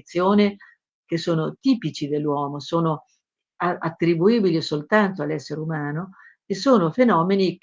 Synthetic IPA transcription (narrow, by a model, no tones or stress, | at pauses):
t̪sːjoːne | kesːoːnot̪iːpit͡ʃid̪elːwɔːmosoːno | aat̪ːɾibuiːbilisolt̪ant̪oalːɛsːeɾeumaːno | esːoːnofenɔːmeni